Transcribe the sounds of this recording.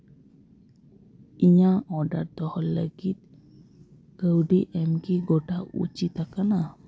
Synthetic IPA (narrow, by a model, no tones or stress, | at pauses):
iɲaɔɖat̪ɔhɔnləɡit̪̚ | kəwɖiʔɛmkiɡoʈaṵt͡ʃit̪akana